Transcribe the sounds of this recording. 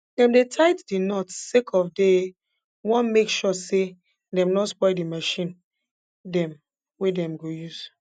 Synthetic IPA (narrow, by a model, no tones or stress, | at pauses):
dɛ̃mdetʰaɪtdinɔtsekʰɔvde | wɔ̃nmekʃɔse | dɛ̃mnɔspɔɪdimaʃĩn | dɛ̃m | wedɛ̃mɡojuz̥